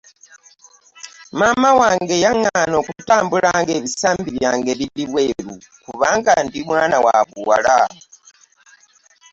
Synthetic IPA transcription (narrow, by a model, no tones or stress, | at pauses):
maːmawaːŋɡe̞jaŋːano̞ːkutaːmbulaːŋɡe̞βisaːmbiβjaːŋɡe̞βiliβwe̞ɾu | kuβaːŋɡandimwaːnawa̰βuwa̰la